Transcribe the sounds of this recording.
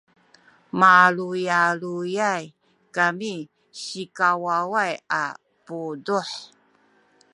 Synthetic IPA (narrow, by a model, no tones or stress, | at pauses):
malujalujaj | kami | ɕikawawaja̰ | puduħ